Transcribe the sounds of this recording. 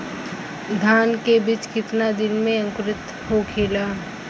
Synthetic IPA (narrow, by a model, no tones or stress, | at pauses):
d̪ʱaːnkebit͡ʃkɪt̪nad̪ɪnmẽə̃ŋkɾɪt̪ | ɦokʰeːlaː